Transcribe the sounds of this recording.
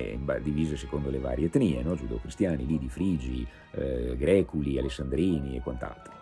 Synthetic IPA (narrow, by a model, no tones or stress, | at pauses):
ḭmba̰d̪iviːzesekond̪oleva̰ːɾjet̪niːenɔd͡ʒud̪ḛkɾist̪jaːnilid̪ifɾiːd͡ʒi | ɡɾɛːkulialesːand̪ɾiːniḛkːwant̪a̰lt̪ɾo